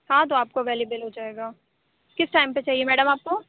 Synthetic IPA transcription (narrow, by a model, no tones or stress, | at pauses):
hãːt̪oaːp̚koʋeːlebəlɦod͡ʒaːeːɡaː | kɪsʈaːɪmpet͡ʃaːɦiemɛːɖəmaːp̚ko